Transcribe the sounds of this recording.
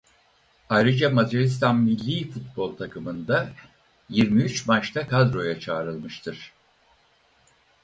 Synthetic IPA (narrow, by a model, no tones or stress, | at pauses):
ajɾɯd͡ʒamazaɾist̪ʰanmilʲːiːfut̪̚bo̞lˠt̪ʰakʰɯmɯnd̪a | jiɾmiyt͡ʃmat͡ʃt̪ʰakʰad̪ɾo̞jat͡ʃʰaːɾɯlˠmɯʃt̪ʰɯɾ̥